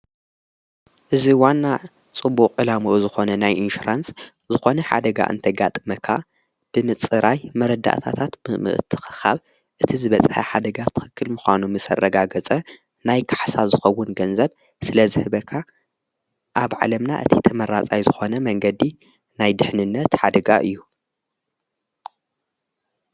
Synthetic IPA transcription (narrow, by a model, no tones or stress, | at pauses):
ʔɨziwanːa | t͡sʼɨbːukʼʕɨlamoʔzɨxo̞nɐnajʔinʃuɾans | zɨxo̞nɐħa̰d̪ɐɡa̰ʔɨ̰nt̪ʰɐɡat̪ʼɨmɐkʰːa | b̥ɨmɨt͡sʼɨɾajmɐɾɐd̪ːa̰ʔt̪ʰa̰t̪ʰat̪mɨʔmɨ̰ʔɨt̪ʰɨ̥xɨ̥xa̰β | ʔɨt̪ʰizɨβɐt͡sʼħɐħad̪ɐɡat̪ʰɨ̥xɨkʰːɨlmuxʷanumɨsɐ̰rːɐɡaɡɐt͡sʼɐ | najkʰaħsazɨxɐwːʊnɡɐnzɐβ | sɨlɐzɨhɨβɐkʰːa | ʔaβʕa̰lɐmna̰ʔɨ̰t̪ʰit̪ʰɐmɐɾat͡sʼajzɨxo̞nɐmɐŋɡɐd̪i | najd̪ɨħnɨnːɐt̪ħad̪ɐɡaʔɨ̰jːu